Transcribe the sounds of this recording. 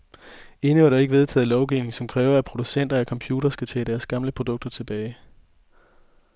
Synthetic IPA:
e̝nəʋɑ̈ɾ̥ɑ̈e̝ɡ̥ʋe̝ð̞ˠt͡sʰɛ̰ːð̩ˠlɒʊɡ̥iʊne̝ŋsɒ̽mkʰʁɛːʊɐæpʰʁo̝d̥usen̰d̥ɐækʰɒ̽mpʰjuːɾɐsɡ̥æt͡sʰɛ̰ːd̥æɐsɡ̥ɑ̈mləpʰʁo̝d̥ɔ̽ɡ̥̚d̥ɐt͡sʰe̝b̥ɛːɪ

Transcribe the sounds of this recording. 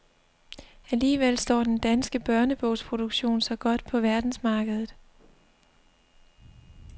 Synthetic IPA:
æliːʋel̰sd̥ɒ̰ːd̥end̥ænsɡ̥əb̥ɶɐnəb̥ɔ̽ʊspʰʁo̝d̥oɡ̥ɕo̝̰ːnsɒ̽ɡ̥ɒ̽d̥pʰɒ̽ʋæɐd̥n̩smɑ̈ːɡ̥əð̞ˠð̩ˠ

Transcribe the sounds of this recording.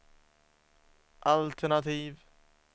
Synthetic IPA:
ʔalt̪ʰɛnat̪iːv

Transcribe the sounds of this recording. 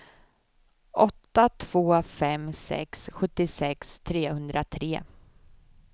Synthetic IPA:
ʔɔt̪ːat̪ʰv̥oːfɛmsɛ̰ksɧɵt̪ːɪsɛkst̪ʰɾeːhɵnd̪ɾat̪ʰɾeː

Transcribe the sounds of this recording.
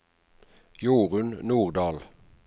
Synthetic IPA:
juːʁʉnnuːʁd̪ɑːl

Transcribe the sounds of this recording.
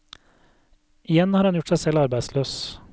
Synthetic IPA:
ɪjɛnhɑːɾhɑnjʊʈsæɪsɛlɑɾbæɪsløːs

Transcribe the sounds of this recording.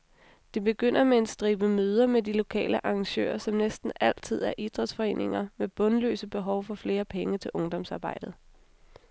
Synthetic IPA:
d̥e̝b̥e̝ɡ̥øn̰ɐmee̝nsd̥ʁiːb̥əmøːð̞ˠɐmedilo̝kʰɛ̰ːləʔɑ̈ːŋɕø̰ːɐsɒ̽mnesd̥n̩æl̰t͡sʰið̞̰ˠæɐʔid̥ʁd̥sfɒ̽e̝̰ːne̝ŋɐmeb̥ɔ̽nlø̰ːsəb̥e̝ɦɒʊfɒ̽fle̝ːɐpʰeŋət͡sʰe̝lʔɔ̽ŋd̥ɒ̽m̰sɑ̈ːb̥ɑ̈ɪ̰d̥ð̞̩ˠ

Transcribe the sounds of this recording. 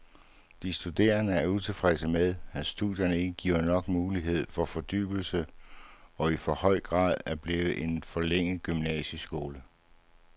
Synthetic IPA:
d̥isd̥ud̥e̝̰ːɐnəæɐut͡sʰe̝lfʁɛsəmeð̞ˠæsd̥uðˠjɐnəe̝ɡ̥əɡ̥ḭʊ̰ɐnɒ̽ɡ̥muːliɦe̝ð̞̰ˠfɒ̽fɒ̽d̥y̰ːb̥l̩sə | ɒ̽ifɒ̽hɒ̽ɪ̰ɡ̥ʁɑ̰̈ːð̞ˠæɐb̥le̝ːʋ̩ʔe̝nfɒ̽leŋ̰ð̩ˠɡ̥ymnɛ̰ɕəsɡ̥o̝ːlə

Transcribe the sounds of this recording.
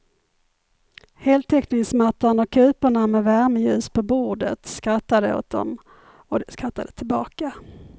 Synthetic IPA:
heːlt̪ʰɛknɪŋsmat̪ːanɔkʰːʉ̟ːpəɳamɛvæɾməjʉ̟ːspʰɔbuːɖə̰t̪skɾat̪ːad̪əo̰ːt̪̚d̪ɔ̰m | ɔd̪ɛskɾat̪ːad̪ət̪ʰɪlbɑːka

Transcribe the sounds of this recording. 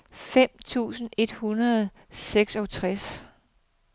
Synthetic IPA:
fem̰t͡sʰṵːsn̩e̝d̥hunɐð̩ˠ | seɡ̥sɒ̽t͡sʰʁas

